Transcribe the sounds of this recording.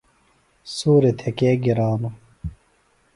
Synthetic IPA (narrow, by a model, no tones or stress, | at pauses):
suːɾet̪ʰekeːɡiɾaːnu